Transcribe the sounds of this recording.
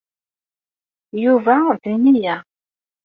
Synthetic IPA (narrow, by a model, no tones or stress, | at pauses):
juvæðinijæ